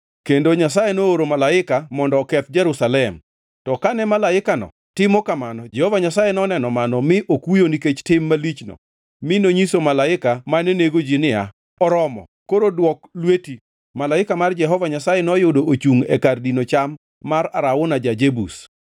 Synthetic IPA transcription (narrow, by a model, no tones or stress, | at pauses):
kendoɲasajenooɾomalaɪkamɔndɔkɛt̪̚d͡ʒɛɾusalɛm | tɔkanɛmalaɪkanɔ̰ | tɪmɔkamanɔd͡ʒɛhɔvaɲasajenɔnɛnɔmanɔmɪʔokujoniket͡ʃtɪmːalit͡ʃnɔ̰ | mɪnoɲisomalaɪkamanɛneɡod͡ʒinɪja | ɔɾɔmɔ̰ | koɾodwɔklweti | malaɪkamard͡ʒɛɦɔvaɲasajenɔjʊdoot͡ʃuŋɛkardinot͡ʃamː | araɾaʊnad͡ʒad͡ʒebṵs